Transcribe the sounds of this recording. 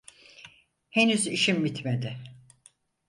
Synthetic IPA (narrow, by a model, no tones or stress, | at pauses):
henyziʃimːit̪med̪ɪ